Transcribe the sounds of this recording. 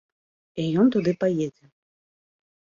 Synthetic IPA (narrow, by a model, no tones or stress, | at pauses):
ijɔnt̪ud̪ɨpajɛd͡zʲɛ